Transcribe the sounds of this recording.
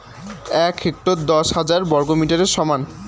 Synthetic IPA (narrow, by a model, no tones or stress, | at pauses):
ɛkʰek̚ʈod̪ɔʃhad͡ʑaɾbɔɾɡomiʈaɾeɾʃɔman